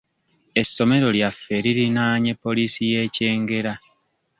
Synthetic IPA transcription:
e̞sːo̞me̞ɾo̞ljafe̞ɾiɾinaːɲe̞pːo̞lisije̞ːce̞ːŋɡe̞ɾa

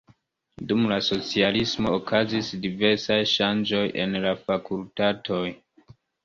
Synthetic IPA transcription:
dumlaso̞t͡sialismo̞ːkʰazisdive̞ɾsajʃand͡ʒo̞je̞̰nlafakultatʰo̞j

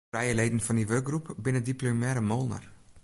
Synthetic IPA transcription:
rɛjəleːdən̩fɑndiʋøk̚ɡrupbɪnədiplomɛːɾəmolˠnə̰r

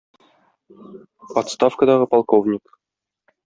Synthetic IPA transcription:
ɒt̪st̪ɑfkəd̪ɑʁɤpɑlˠkovnʲik

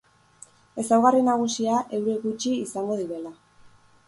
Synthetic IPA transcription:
e̞sawɣarinaɣ̞usiaʔe̞wɾeɣut͡ʃiːsaŋɡo̞ðiɾe̞la

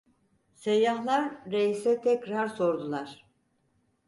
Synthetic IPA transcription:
sejːahlˠaɾːeisɛt̪ʰɛcɾaɾso̞ɾd̪ulˠaɾ̥

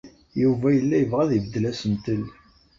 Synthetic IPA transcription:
juvæjəlːæjəvʁæðivəd̪ːəlæsənt̪əl

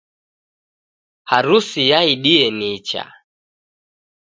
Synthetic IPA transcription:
haɾusijaiɗiɛnit͡ʃa̰

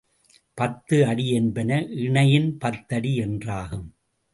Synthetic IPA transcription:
pɐt̪ːɯɐɽiɛnbɐnɐʔɪɳɐjɪnpɐt̪ːɐɽiɛndraːɣɯm

